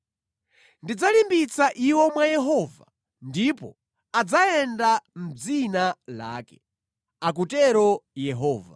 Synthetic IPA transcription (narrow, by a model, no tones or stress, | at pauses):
ndid͡zalimbit͡saʔiwɔmwajɛɦɔva̰ | ndipɔ̰ | ad͡zaɛndam̩d͡zinala̰ːkɛ̥ | ak̬utɛɾɔjɛɦɔːva̰